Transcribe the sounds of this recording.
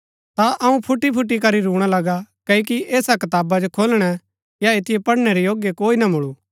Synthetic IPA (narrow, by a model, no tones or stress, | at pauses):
t̪aʔɐũpʰʊʈːipʰʊʈ̬ːik̬ɐɾiɾuːɽ̃alɐɡakɐkiʔɛːsakɐt̪aːbad͡ʒokʰoːlɽ̃ɛ | jaet̪ʰɪjepɐɽñɛɾejoːɡjekoːinamʊɭu